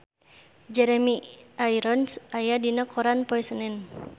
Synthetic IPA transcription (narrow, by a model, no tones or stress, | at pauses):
d͡ʒɛɾɛmiʔajɾɔnsʔajadinakʰɔɾanpɔisənɛn